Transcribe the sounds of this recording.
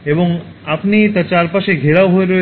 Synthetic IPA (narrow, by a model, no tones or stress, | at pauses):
eboŋ | apnit̪at͡ɕaɾpaʃeɡʱeɾaoɦoeɾɔe